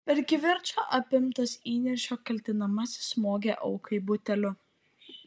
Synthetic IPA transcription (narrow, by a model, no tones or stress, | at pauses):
pʲɛɾɪkʲɪʋʲɪɾʲt͡ʃʲoːʔɐpʲɪmt̪ɐsiːnʲɛɾʲʃʲoːkɐlʲt̪ʲɪnɐmɐsʲɪ̥smoːɡʲeːʔɐʊkɐɪbʊt̪ʲɛlʲʊ